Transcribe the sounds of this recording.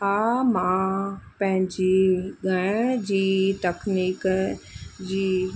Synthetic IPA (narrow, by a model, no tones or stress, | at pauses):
aːmãpɐ̃ɦɪ̃ɲd͡ʑiɡʱɐɽ̃d͡ʑiːʈekʰniːk | d͡ʑiː